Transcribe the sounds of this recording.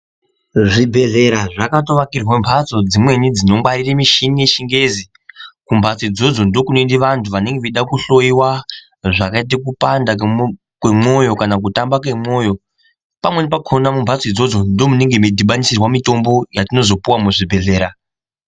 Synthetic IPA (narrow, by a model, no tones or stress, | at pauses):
ʐibʱe̞ɮe̞ɾaʐakato̞ʋakirwembʰʱat͡so̞d͡zimwe̞nid͡zino̞mwaɾiremiʃinijeʃiŋɡe̞zi | kumbʱat͡sid͡zo̞d͡zo̞ndo̞kunoindiʋantʰuʋaneŋɡeʋiɗakuɬo̞iwa | ʐakait̬ikupanda | kwemo̞jo̞kanak̬utambakemo̞jo̞ | pamwe̞nipakʰonamumbʱat͡sid͡zod͡zo̞ndo̞muneŋɡemidʱiɓanisirwamito̞mbo̞jatino̞zo̞puwamuʐibʱe̞ɮe̞ːɾa